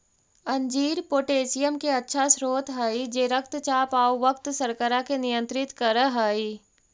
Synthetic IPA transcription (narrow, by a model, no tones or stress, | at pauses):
ɐ̃ɲd͡ʒiːɾpoːʈeːsɪjəmkeɐtːʃʰasɾoːt̪ɦaːid͡ʒeːɾək̚t̪t͡ʃaːpaːoʋəkt̪sɐɾkəɾakenɪjə̃nt̪ɾɪt̪kəɾəɦaːi